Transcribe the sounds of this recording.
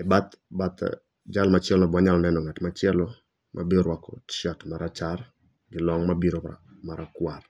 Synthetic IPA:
ɛbat̪bat̪ | d͡ʒalmat͡ʃɪɛlnɔbwaɲalɔnɛnɔŋatmat͡ʃɪɛlɔ | mʔa̰biɔɾwakɔ̰t͡ʃatmaɾat͡ʃar | ɡɪlɔŋmabiɾoa̰ | maɾakwar

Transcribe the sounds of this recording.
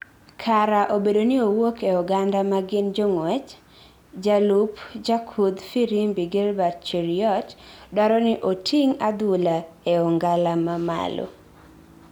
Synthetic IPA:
kʰaɾaʔobedonɪowokeɔɡandamaɡɪnd͡ʒoŋwɛt͡ʃ | d͡ʒalupd͡ʒakʰud̪fiɾimbiɡelbat̚t͡ʃiɾiɔtdɔɾɔnɪʔotʰiŋad̪wʊlaeɔŋɡalamama̰lo̰

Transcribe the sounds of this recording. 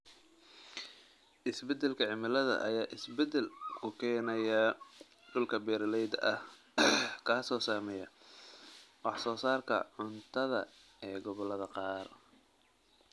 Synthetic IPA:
ʔɪsbɛd̪ɛlkʰɐʕɪmɪlɐðɐ̰ʔɐjaːʔɪsbɛd̪ɛlkʰʊkʰɛːnɐjɐ | ɖʊlkʰɐbɛːɾɐlɛjd̪ɐʔɐh | kʰaːsɔːsaːmɛjɐ | wɑħsɔːsaːrkʰɐ̰ʕʊnt̪ʰɐðɐ̰ | ɛːɡɔβɔlɐðɐqɑːr

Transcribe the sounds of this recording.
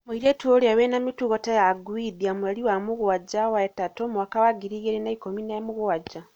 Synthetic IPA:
muiɾetuolawenamituɣotajaɡwidiamulaliwamuɣuwaɟawaetatomuwakawaɡiɾiɡeɾinaikominamuɣuwaɟa

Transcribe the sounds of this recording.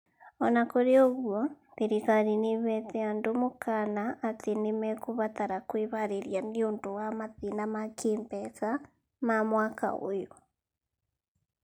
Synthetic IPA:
ɔnakoɾeoɣwɔ | ðiɾikaɾiniβɛteandomokanaʔːtʰenimɛkuβataɾakwiβaɾeɾjaniondowamaðinamakʰiːmbɛsa | mamwaːka̰o̰jo

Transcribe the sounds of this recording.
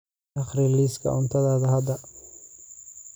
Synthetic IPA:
ɐχɾiliːskʰɐ̰ʔʊnt̪ʰɐðaːðɐɦɐd̪ɐ

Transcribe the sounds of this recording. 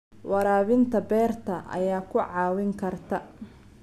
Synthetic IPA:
wɑɾaːβɪnt̪ʰɐbɛːrt̪ʰɐʔɐ̰jaːkʰʊʕɑːwɪŋkʰɐrt̪ʰɐ

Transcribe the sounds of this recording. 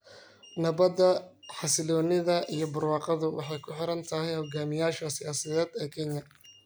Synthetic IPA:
nɐβɐd̪ɐħɑsɪlɔːnɪðɐʔijɞbʊrwɑːqɑðʊwʔɑ̰ħɑjkʰʊħɪɾɐnt̪ʰɐɦɛjhɔɡaːmɪjaːʃɐsɪjaːsɐðɛːd̪ɛːkʰɛnjɐ

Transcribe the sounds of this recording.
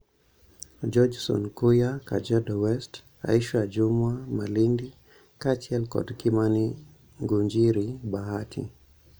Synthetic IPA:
d͡ʒɔd͡ʒsɔ̰nkujakad͡ʒadɔwɛst | a̰iʃwad͡ʒumwamalindi | kat͡ʃiɛlkɔ̰dkimani | ŋɡuɲd͡ʒiɾibahatʰḭ

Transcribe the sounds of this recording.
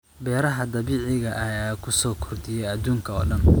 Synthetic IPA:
bɛːɾɐɦɐd̪ɐβiːʕɪɣɐʔɐjaːkʰʊsɔːkʰʊrd̪ɪjɛjɐd̪uːŋkʰɐɔ̰ːɖɐn

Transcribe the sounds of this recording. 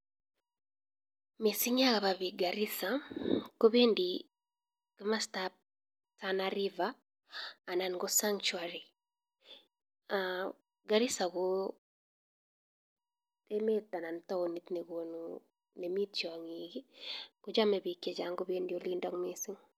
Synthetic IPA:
misiŋjakaβaβiɡaɾisakobendi | kimastap̚ | tanaɾivaː | nanɡosaŋt͡ʃwaɾi | a | ɡaɾisaɣo | emetanantaonitnekonu | nemitt͡ʃjɔŋiɡikud͡ʒamɛbikjɛd͡ʒaŋɡobendiolindɔŋmisiŋ

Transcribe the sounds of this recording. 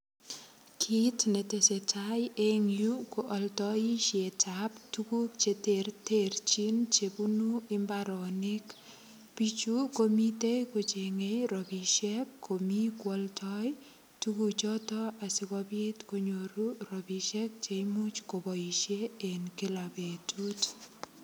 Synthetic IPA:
kʰitnetesetajeŋjukuʔɔltɔiʃetʰaptukukt͡ʃeterteɾt͡ʃint͡ʃebunuɪmbaɾɔnik | pit͡ʃukomitekot͡ʃeŋejɾɔbiʃɛk̚kʰomikwɔltʰɔj | tukut͡ʃɔtɔasikɔbitkoɲoɾurɔbiʃɛk̚t͡ʃemut͡ʃkobɔiʃeenkilabetʰut

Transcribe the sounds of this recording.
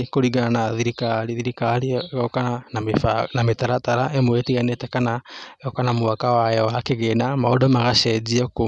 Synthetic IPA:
koɾiɣaanaðiɾikaɾiðiɾikaɾiɣkanaenametaɾataɾaʔemoetiɣanetɛkanaokanamoakawajɛwakeɣenamaodɔmaɣaʃɛd͡ʒiako

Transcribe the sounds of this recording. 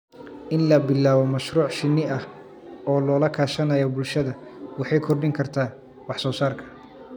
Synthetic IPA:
ʔɪnlɐbɪlaːβɔmɐʃruːʕʃɪnːɪɐh | ɔːlɔːlɐkʰaːʃɐnɐjɔbʊlʃɐðɐwɑħɑjkʰɔrɖɪŋkʰɐrt̪ʰaː | wɑħsɔːsaːrkʰɐ̥

